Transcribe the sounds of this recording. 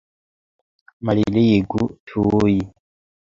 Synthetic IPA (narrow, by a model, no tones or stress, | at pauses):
malilejeɡutʰuji